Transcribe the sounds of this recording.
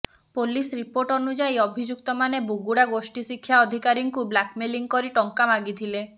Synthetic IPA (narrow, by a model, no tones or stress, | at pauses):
polisɾipoɾʈɔnud͡ʒajɔbʱid͡ʒuk̚t̪ɔmanebuɡuɽaɡosʈisikʰːjaɔd̪ʱikaɾiŋkublakmeliŋkɔɾiʈɔŋkamaɡit̪ʰile